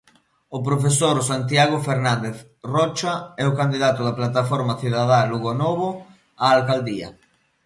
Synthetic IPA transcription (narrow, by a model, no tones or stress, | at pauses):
opɾofesoɾsant̪̬jaɣofeɾnand̪eθ | rɔt͡ʃaɛokand̪iðat̪ʊðaplat̪afoɾmaθiðaðaluɣonoβ̞o | aːlkald̪ia̰